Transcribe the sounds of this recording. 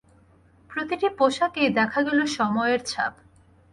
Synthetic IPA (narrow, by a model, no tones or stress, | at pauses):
pɾot̪iʈipoʃaked̪ɛkʰaɡɛloʃɔmɔeeɾt͡ɕʰa̰b